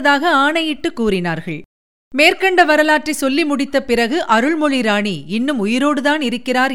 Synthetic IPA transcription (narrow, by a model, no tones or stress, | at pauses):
ðaːɣɐaːɳɐjɪʈːɯkːuːɾɪnaːɾɣɐɭ | meːɾkɐɳɖɐʋɐɾɐlaːʈrisɔlːimʊɽɪt̪ːɐpɪrɐɣɯʔɐɾɯɭmɔɭiɾaːɳiɪnːɯmʊjɪɾoːɽɯðaːnɪɾɯkːɪraːɾ